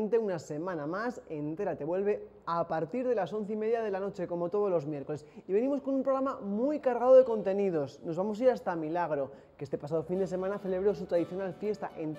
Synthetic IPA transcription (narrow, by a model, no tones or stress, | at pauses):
nt̪e̞unase̞mãnamase̞nt̪e̞ɾat̪e̞βwe̞lβe̞ | apaɾt̪iɾð̞e̞laso̞nθeime̞ðjaðe̞lano̞t͡ʃe̞ko̞mo̞t̪o̞ð̞o̞zlo̞zmje̞ɾko̞le̞siβe̞nĩmo̞sko̞nũmpɾoɾamamujkaɾɣ̞aðo̞ðe̞ko̞nt̪e̞niðo̞sno̞zβamo̞saiɾast̪amilaɣ̞ɾo̞ | keest̪e̞pasað̞o̞find̪ese̞mãnaθe̞le̞β̞ɾo̞sut̪ɾaðiθjo̞nalfje̞st̪a̰ʔent̪